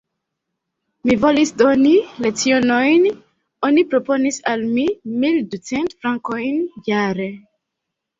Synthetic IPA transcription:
mivo̞lisdonilet͡sionojn | onipɾo̞po̞nisalmimildut͡sentfɾaŋkojnjaɾe

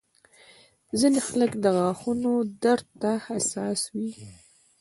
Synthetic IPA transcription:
zinexaləkd̪əɣɑxunod̪aɾd̪t̪ːahasɑswi

